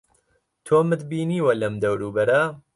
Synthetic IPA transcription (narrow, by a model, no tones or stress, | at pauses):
t̪ʰoːmɨd̪biːniːwɐlɐmd̪ɐwɾuːbɐɾɐ